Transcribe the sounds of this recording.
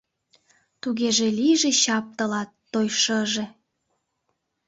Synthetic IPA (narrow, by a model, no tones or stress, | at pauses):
t̪uɣeʒeliʒeɕɑp̚t̪ə̆lɑt̪ːojʃəʒe